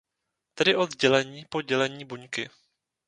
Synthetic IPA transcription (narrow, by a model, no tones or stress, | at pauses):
t̪ɛdɪʔo̞d̪zɟɛlɛɲiːpo̞ɟɛlɛɲiːbuɲkɪ